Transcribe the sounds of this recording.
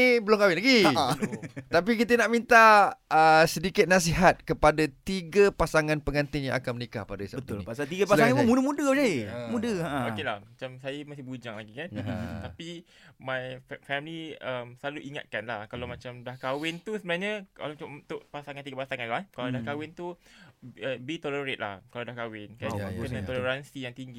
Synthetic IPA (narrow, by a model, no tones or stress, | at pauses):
ibəlʊŋkawɪnlaɡi | t̪apikit̪ənaʔmint̪aəsədikɪt̪̚nas̬iɦat̪̚kəpadat̪iɡəpasaŋãnpəŋant̪ɪŋjã̰ŋʔa̰kanmənika̰hpadaisabət̪ʊlpasalt̪iɡəspasaŋaansmũdəmũdəd͡ʒaemũdəaʔə̃okela̰hmat͡ʃamsajamasɪhbud͡ʒaŋlaɡikan̰t̪api | mãjfɛmiliəmsəlaluʔiŋa̰t̪̚kanlahkalawmat͡ʃamdahkawɪnt̪usəbənaɲaka̰lamat͡ʃamt̪ʊʔpasaŋant̪iɡapasaŋãnlahkaladahkawɪnt̪u | əbit̪oləɾet̪̚la̰hkaladahkawɪnkankənãt̪oləɾansijaŋt̪iŋɡi